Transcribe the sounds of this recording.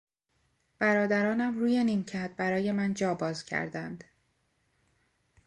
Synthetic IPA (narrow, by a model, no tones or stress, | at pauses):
b̥æɾɒːd̪æɾɒːnæmɾuːjenimcʰæd̪̚bæɾɒːje̞mænd͡ʒɒːbɒːzcʰæ̰ɾd̪ænd̪̥